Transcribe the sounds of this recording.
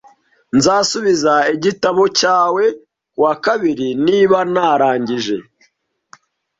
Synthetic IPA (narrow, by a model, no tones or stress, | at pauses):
nzaːsuβizaiɟitaβo̞caːwe̞ | kuwakaβiɾiniːβanaːɾaːɲɟiʒe̞̰